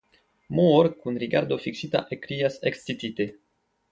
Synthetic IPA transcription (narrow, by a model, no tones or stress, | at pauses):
mooɾkunriɡaɾd̪ofikʃit̪a̰ʔekɾijasekst̪it̪it̪e